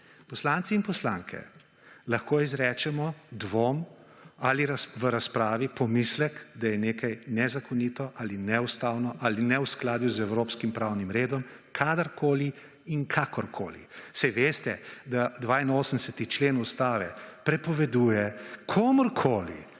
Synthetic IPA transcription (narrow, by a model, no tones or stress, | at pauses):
pɔslaːnt̪siinpɔslaŋkʰɛ̰ | lɐxkoːizɾɛːt͡ʃɛmɔd̪ʋoːm | aliɾaʋəɾaspɾaːʋipɔmislɛkd̪ajɛneːkajnɛzakʰɔnit̪ɔʔalinɛust̪aːwnɔʔalinɛwsklaːd̪juzɛwɾoːpskimpɾawnimɾeːd̪ɔmkʰaːd̪əɾkʰoːli | iŋkʰakɔɾkʰo̰ːlḭsajʋeːst̪ɛd̪ad̪ʋaːinoːsənd̪ɛsɛt̪it͡ʃleːnust̪aːʋɛpɾɛpɔʋɛd̪uːjɛkʰoːmɔɾkʰoːlḭ